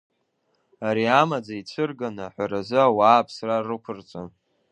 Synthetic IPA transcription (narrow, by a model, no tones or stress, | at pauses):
aɾiamad͡zait͡sʷʰɨrɡanaħʷaɾazɨawaːpʰsrarɨkʷʰʊrt͡sʼo